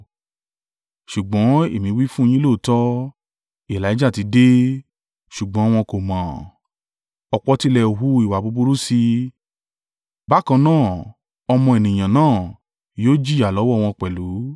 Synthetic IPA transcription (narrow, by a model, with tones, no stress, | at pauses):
ʃu˨ɡ͡bɔ̃˨˦ḛ˦˨mĩ˨˦wi˦fũ˦j̃ĩ˦lo˦˨tɔ˦ | i˨la˨˦d͡ʒa˦˨ti˨˦de˦ | ʃu˨ɡ͡bɔ̃˨˦w̃ɔ̃˧ko˨mãː˨ | ɔ˧k͡pɔ˧ti˦lɛ˧˨ɦu˦i˨wa˨bo˨˧bu˧ɾu˦si˧ | ba˦kã˧nãː˦˨ | ɔ˧mɔ̃˧e˨nĩ˨j̃ã˨nãː˦˨ | joː˦d͡ʒi˦˨a˨lɔ˨˦wɔ˦˨w̃ɔ̃˧k͡pɛ˨lu˨˦